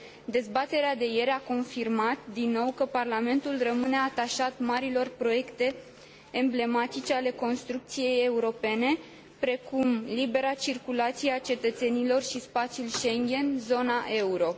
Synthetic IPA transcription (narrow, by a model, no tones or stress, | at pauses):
d̪e̞zbat̪e̞ɾead̪e̞je̞ɾako̞nfirmat̪d̪inːo̞wkəparlame̞nt̪ulrəmɨne̞at̪aʃat̪maɾilo̞rpɾo̞je̞kt̪e̞ː | mble̞mat̪it͡ʃeale̞ko̞nst̪ɾuk̚t̪sije̞je̞uɾo̞pe̞ne̞ | pɾe̞kumlibe̞ɾat͡ʃirkulat̪sieat͡ʃe̞t̪ət̪se̞nilo̞rʃispat̪sijulʃe̞ŋɡʲe̞nzo̞naʔe̞uɾo̞